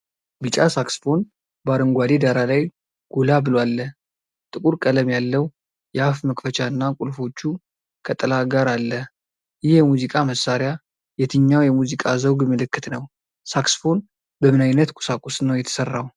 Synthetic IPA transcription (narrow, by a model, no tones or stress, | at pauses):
bɨt͡ʃʼasaksfo̞n | baɾɨŋɡʷad̪ed̪aɾalaj | ɡ̥olabɨlowalːə | t̪ʼɨkʼuɾkʼələmjalːəw | jɛafməkʼfət͡ʃaɨnːakʼulfo̞t͡ʃːu | kʰət̪ʼəlaɡaɾalːə | jɪhjɛmuzikʼaməsːaɾja | jɛt̪ʰɨɲːawjɛmuzikʼazəwɡmɨlɨkːɨt̪nəw | saksfo̞n | bəmɨnajnət̪kʼʊ̥sakʼusnəwjɛt̪ʰə̥sərːaw